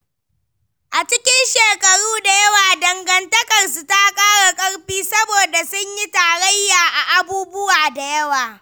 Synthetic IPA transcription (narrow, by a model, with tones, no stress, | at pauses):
ʔa˨t͡ʃɪ˦kʲɪ˦nʃeː˨kɐ˨ɽuː˦da˨jɐ˦waː˨dɐ˨ŋɡɐ˨ntɐ˦kɐ˨rsu˨ta˦kʼaː˦ɽa˨kʼɐ˦ɽɸiː˦sɐ˦boː˨da˨sʊ˦ɲji˦taː˨ɽɐ˦jːaː˨ʔa˨ʔa˨buː˦bʊ˦waː˨da˨jɐ˦waː˨